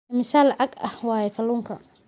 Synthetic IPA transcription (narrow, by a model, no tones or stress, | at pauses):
mɪsaːlːʕɑɡɐhwɑːjɛkʰɐluːŋkʰɐ